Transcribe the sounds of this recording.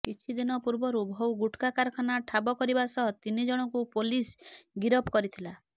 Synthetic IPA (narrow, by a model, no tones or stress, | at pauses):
kit͡ʃʰid̪inɔpuɾbɔɾubʱowɡuʈkakaɾɔkʰanaʈʰabɔkɔɾibasɔɦɔt̪inid͡ʒɔɽ̃ɔŋkupolisɡiɾɔpkɔɾit̪ʰila